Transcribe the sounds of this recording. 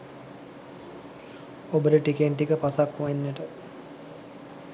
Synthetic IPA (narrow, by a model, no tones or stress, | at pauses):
obəɾəʈikeɳʈikəpasakʋainːəʈə